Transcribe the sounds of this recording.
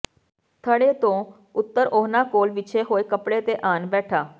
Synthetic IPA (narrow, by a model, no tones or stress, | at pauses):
t̪ʰəɽeːt̪õː | ʊt̪ːəɾʔoːnaːkoːlʋɪt͡ʃʰeːɦoːeːkəpɽeːt̪eːʔaːnbɛːʈʰaː